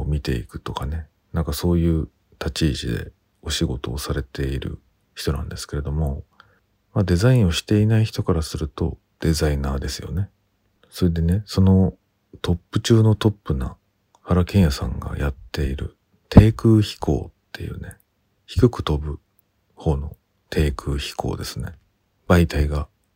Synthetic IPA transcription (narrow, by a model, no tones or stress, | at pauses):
mʲit̪e̞̰ḭkɯ̟̥t̪o̞kane̞ | nãŋkaso̞ːjɯ̟ː | t̪at͡ɕiːʑid̪e̞̰ | o̞ɕiɡo̞t̪o̞ːsaɾe̞t̪e̞iɾɯ̟̰ | çi̥t̪o̞nã̰nd̪esɨ̥ke̞ɾe̞d̪o̞mo̞ | mad̪e̞zaĩɰ̃o̞ɕi̥t̪e̞inaiçi̥t̪o̞kaɾasɨɾɯ̟t̪o̞̰ | d̪̥e̞zainaːd̪e̞sɨjo̞̰ne̞ | so̞ɾed̪e̞ne̞so̞no̞ | t̪o̞pːɯ̟t͡ɕɨːno̞t̪o̞pːɯ̟na | haɾakẽ̞ɰ̃jasã̰ŋɡa̰jat̪ːe̞iɾɯ̟̰ | t̪ʰe̞ːkɯ̟ːçi̥kʰo̞̰ːt̪ʰːe̞̰jɯ̟ːne̞ | çi̥kɯ̟kɯ̟̥t̪o̞bɯ̟ | ho̞ːno̞̰ | t̪ʰe̞ːkɯ̟ːçi̥kʰo̞̰ːd̪e̞sɨne̞ | b̥ait̪aiɡa